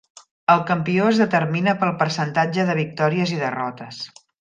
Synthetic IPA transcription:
əlˠkəmpioəzðət̪əɾminəpəlˠpəɾsənt̪ad͡ʒəðəβ̞ik̚t̪ɔɾiəziðərɔt̪əs

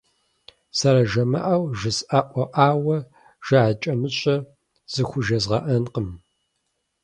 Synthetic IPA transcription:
sɐɾɐʒɐmɐ̰ʔawʒɪsaʔʷɔʔaːwɐ | ʒ̥ɐʕat͡ʃʼɐmɨɕʼɐ | z̥ɨxʷʊʒɐzʁɐ̰ʔɐnqəm

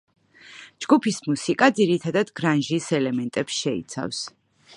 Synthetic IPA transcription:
d͡ʒɡupʰismusikʼad̪ziɾit̪ʰad̪ad̪ɡɾanʒisɛlɛmɛnt̪ʼɛpsʃɛḭt̪sʰa̰fs

